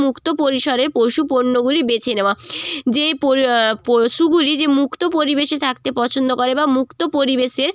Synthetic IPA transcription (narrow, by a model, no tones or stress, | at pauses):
mukt̪opoɾiʃɔɾeɾpowʃupoɾnːoɡulibet͡ɕʰeneoad͡ʑepopoʃuɡulid͡ʑemukt̪opoɾibeʃet̪ʰak̚t̪epɔt͡ɕʰond̪okoɾebamukt̪opoɾibeʃeɾ